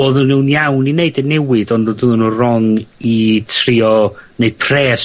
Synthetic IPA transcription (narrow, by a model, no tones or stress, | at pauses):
oðənːuwnjawnineɨdɛnɛwɨdɔndodəðənurɔŋitʰrɪɔneɨd̥̚pʰrɛːs